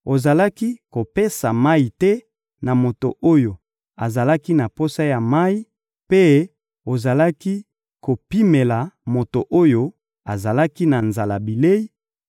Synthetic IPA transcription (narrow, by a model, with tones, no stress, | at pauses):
o˨za˨la˦ki˦ko˨pe˦sa˨ma˦i˨tɛ˦ | na˨mo˨to̰˨ʔo˦jo˨ | a˨za˨la˦ki˦na˨po˦sa˦ja˨ma˦i˦ | pe˦ | o˨za˨la˦ki˦ | ko˨pi˦me˨la˨mo˨to˨ʔo˦jo˦ | a˨za˨la˦ki˦na˨nza˨la˨bi˨le˦i˦